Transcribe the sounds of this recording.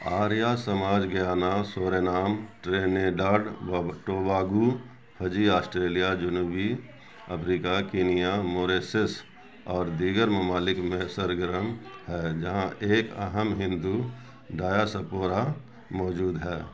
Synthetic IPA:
aːɾjasəmaːd͡ʒɡɪjaːnaːsoːɾenaːmʈɾeːneɖaːɖʈoːbaːɡu | pʰəd͡ʒiaːsʈɾeːlijad͡ʒʊnuːbi | ɐpʰɾiːkakɪːnijamoːɾeːses | ɔːɾd̪iːɡəɾmɐmaːlɪkmẽsəɾɡəɾəmhɛːd͡ʒɐɦãʔeːkɐ̰ɦəmɦɪ̃nd̪u | ɖaːjasəpoːɾa | mɔːd͡ʒuːd̪ɦɛː

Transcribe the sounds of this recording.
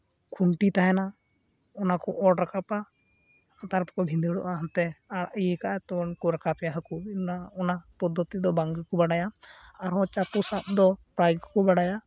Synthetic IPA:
kʰuɳʈit̪aɦɛna | ɔnakɔʔɔɖɾakapa | at̪aɾpkɔbʱĩnd̪iɽɔ̰ʔaɦnt̪ɛaaʔiɛkaʔt̪ɔnkɔɾakapjaɦəkunaɔnapɔd̪ʱːɔt̪id̪ɔbaŋɡkɔbaɽajaaɾɔ̃t͡ʃapusat̚d̪ɔpɾajɡkɔbaɽaja

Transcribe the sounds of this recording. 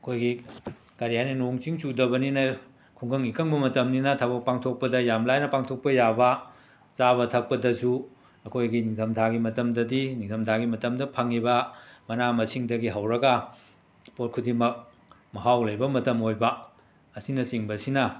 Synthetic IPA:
ɐkʰojɡi | kaɾijajninoŋt͡ʃiŋsudɐbɐninɐ | kʰuŋɡɐŋikɐŋbɐmɐtɐmninɐtʰabɐk̚paŋtʰok̚pɐdɐjamlajnɐpaŋtʰok̚pɐjabɐ | t͡ʃabɐtʰɐk̚pɐdɐsu | ɐkʰojɡinidɐmtʰaɡimɐtɐmdɐdinidɐmtʰaɡimɐtɐmdɐpʰaŋibɐmɐnamɐsiŋdɐɡiɦɐwɾɐɡɐ | pot̚kʰudimɐk̚ | mɐɦawlɐjbɐmɐtɐmojbɐː | sinɐsiŋbɐsinɐ

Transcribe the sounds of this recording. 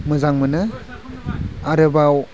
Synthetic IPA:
mɯzaŋmɯnɯ | aɾɯbaw

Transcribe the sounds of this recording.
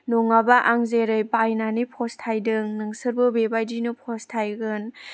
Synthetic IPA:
nuŋabaʔaŋzeɾɯjbajnanipʰɔstʰajdɯŋnɯŋsɯɾbɯbebajdinupʰɔstʰajɡɯn

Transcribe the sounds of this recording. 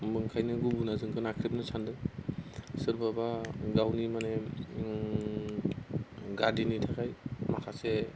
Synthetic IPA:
mɯŋkʰajnɯɡubunazɯŋɡʰɯnakʰɾip̚nɯsʰandɯ | sɯɾbabaɡawnimane | ɡadinitʰakʰajmakʰase

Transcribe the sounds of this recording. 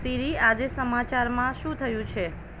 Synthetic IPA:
siɾiad͡ʒesəmat͡ʃaɾmãʃũt̪ʰəjũt͡ʃʰe

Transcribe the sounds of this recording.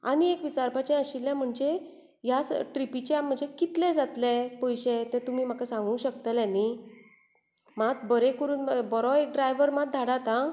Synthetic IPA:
a̰ñiekʋit͡saɾpat͡ɕɛ̃əɕiljãm̤əɳd͡ʑe | jasʈɾipit͡ɕm̤əɳd͡zekit̪lɛ̃d͡zat̪lɛ̃pəjɕẽt̪ɛ̃t̪umiːm̤akasãŋɡuːɕəkt̪əljanːi | mat̪bəɾekəɾuːnbɔɾɔek̚ɖɾajʋəɾmat̪̚d̪ʱaɽat̪ã

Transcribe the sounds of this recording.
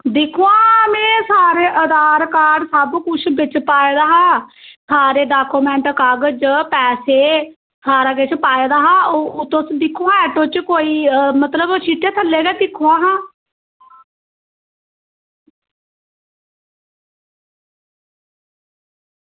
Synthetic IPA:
d̪ɪkʰuãːmɛ̃ːsaːɾeːʔəd̪aːɾkaːɖsəbkʊt͡ʃʰbɪt͡ʃpaːeːd̪aːɦãːsaːɾeːɖaːkuːmɛ̃ːɳʈkaːɡəd͡ʒpɛːseː | saːɾaːkɪt͡ʃʰpaːeːd̪aːɦãːoːt̪osd̪ɪkʰːõːaɛːʈõːt͡ʃkoːiːmət̪ləbt͡ʃʰiːʈeːt̪ʰəlːeːɡɛːd̪ɪkʰuːãːɦãː

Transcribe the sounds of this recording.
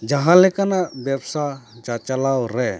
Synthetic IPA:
d͡ʒaɦãlɛkanaʔbjabsat͡ʃat͡ʃalawɾɛ

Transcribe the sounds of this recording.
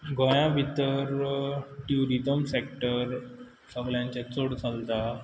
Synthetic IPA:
ɡʱɔ̃jãbʱit̪əɾʈjuɾit̪əmsekʈəɾ | səɡljãɲt͡ɕat͡soɽt͡salt̪a

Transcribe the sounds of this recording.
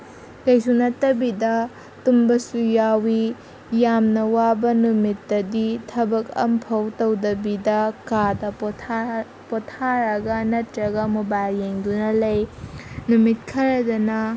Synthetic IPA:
kɐjsunɐtːɐbidɐ | tumbɐsujawi | jamnɐwabɐnumitːɐditʰɐbɐkɐ̰mpʰɐwtɐwdɐbidɐkadɐ | potʰaɾɐɡɐnɐtɾɐɡɐmubalːeŋdunɐlɐjnumit̚kʰɐɾɐdɐnɐ

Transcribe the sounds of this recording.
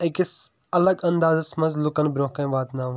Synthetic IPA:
ekis | ɐləɡɐ̃nd̪aːzɐsmɐ̃zlʊkɐnbɪɾõːkɐ̃ʋaːt̪nãːʋ

